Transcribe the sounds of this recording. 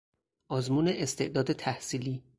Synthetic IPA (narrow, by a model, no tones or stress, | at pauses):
ʔɒːzmuːne̞ʔest̪e̞ʔd̪ɒːd̪et̪ʰæhsiːliː